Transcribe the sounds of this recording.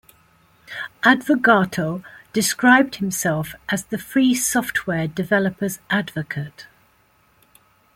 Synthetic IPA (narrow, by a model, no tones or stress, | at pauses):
ʔadvəɡɑˑtʰoʊd̥ɪskɹaɪb̚d̥̚hɪ̃msɛlˠfʔəzðəfɹiːsɒftʰwɛːdɪvɛləpʰəzʔadvəkʰət